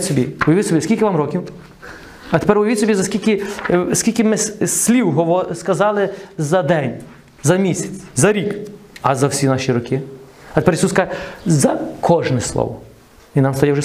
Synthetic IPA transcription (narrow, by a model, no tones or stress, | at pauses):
sʲɔbʲiʊjɐʋɪtʲsʲɔbʲiskʲilʲkʲɪʋamɾɔkʲiw | ɐt̪e̥pɛɾʊjɐʋit̪ʲsʲɔbʲizɐskʲilʲkɪskʲilʲkɪmɪsʲlʲiwɦɔʋɔskɐzɑlˠɪzɐd̪ɛnʲ | zɐmʲisʲɐ̥t͡sʲzɐɾʲikɐzɐwsʲinɑʃʲiɾʊkɪɐt̪e̥pɛɾjsuskɑzɐkʰɔʒnɛslˠɔ̰ʋɔ | inɑmst̪ɐjɛwʒɛ